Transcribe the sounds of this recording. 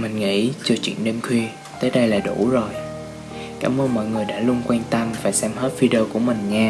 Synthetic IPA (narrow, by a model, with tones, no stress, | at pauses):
mï˨˩ŋ̟ŋḭ˧˥t͡ɕɨ˨˧˩t͡ɕwḭ˧˨ənɗe˧mkʰwi˧ | t̪əː˨˦jɗə˧jlaː˨˩ɗu˧˩zo˨˩j | kaː˧˩mʔəː˧nmɔ̰˧˨jŋɨ˨˩əjɗa̰ː˧˥lu˧ənkwɛː˧nt̪ə˧mvaː˨˩jsɛ˧mhə˦˥t̚vi˧ɗəː˧ku˧˩əmï˨˩ŋ̟ɲaː˧